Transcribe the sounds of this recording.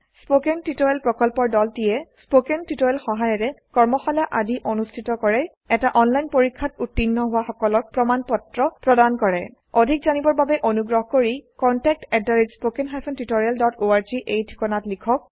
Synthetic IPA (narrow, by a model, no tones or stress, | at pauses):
spokɛntitojɛlpɹɔkɔlpɔɹdɔltijɛspokentitojɛlxɔɦajɔɹɛkɔɹmɔxaljaʔadiʔonustʰitɔkɔɹɛ | ɛtaʔɔnlajnpoɹikʰːatutːinːɔɦʊwaxɔkɔlɔk̚pɹɔmanpɔtɹɔpɹɔdankɔɹɛ | odʱikzanibɔɹbabɛʔonuɡɹɔɦɔkoɹikɔntɛk̚tɛdaɹitspokɛnɦajpʰɔntitoɹialdɔtoaɹziʔejtʰi̥kɔnatlikʰɔk̚